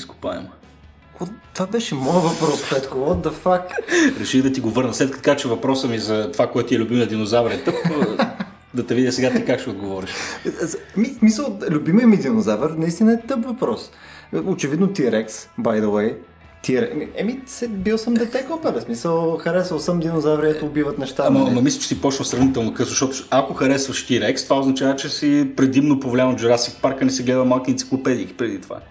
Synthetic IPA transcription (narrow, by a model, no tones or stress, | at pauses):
isko̥paɛ̰m | ɔt̪ovabɛʃɛmɔjəvɐpɾɔssɛt̪kovɔd̪ɐfakɾɛʃid̪ɐt̪iɡovɤɾnəslɛt̪kət̪kat͡ʃɛvɐpɾɔsəmizɐt̪ovakoɛt̪ʊt̪iɛlʲʊbiməd̪inozavəɾɛt̪ɤp | d̪ɐt̪ɛvid̪ʲəsɛɡat̪ikakʃɛod̪ɡovɔɾiʃ | ɛmismisəlˠlʲʊbimijəmid̪inozavəɾnɐist̪inɐɛt̪ɤpvɐpɾɔsot͡ʃɛvid̪not̪iɾɛksbajd̪owɛj | t̪iɾmiɛmisɛbilˠsəmd̪ɛt̪ɛkɔpɛɾəsmisəlˠxɐɾɛsəlˠsəmd̪inozavɾɛt̪oʊbivət̪nɛʃt̪ammɐmislʲɛt͡ʃɛ̥sipɔt͡ʃnəsɾɐvnit̪ɛlˠnokəzoʃt̪ɔt̪ʊakoxɐɾɛsvɐʃt̪iɾɛkst̪ovaoznɐt͡ʃavət͡ʃɛsipɾɛd̪imnopovolʲamɐd͡ʒɛɾasifpaɾkənɛsɛɡlɛd̪əmalˠkinʲt̪i̥klˠopɛd̪iːki̥pɾɛd̪it̪ova̰